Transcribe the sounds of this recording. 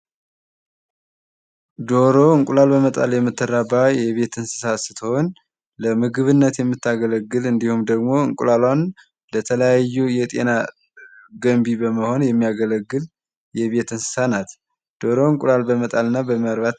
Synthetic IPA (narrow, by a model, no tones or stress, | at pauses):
d̪oɾo̞ɨŋkʼulalbəmət̪ʼa̰ljɛmːɨt̪ːɨrabajɛβe̞t̪ɨnsɨ̥sasɨ̥t̪ʰəown | ləmɨɡɨβɨnːət̪jɛmːɨt̪ːaɡələɡːɨlɨnd̪ihumd̪əɡmo̞ɨŋkʼulalan | lət̪ʰələjajːujɛt̪ʼe̞̰na | ɡəmbibəməho̞njɛmːijaɡələɡːɨl | jɛβe̞t̪ɨnsɨ̥sanat̪ | d̪̥o̞ɾo̞ɨŋkʼulalbəmət̪ʼalɨnːabəməɾβat̪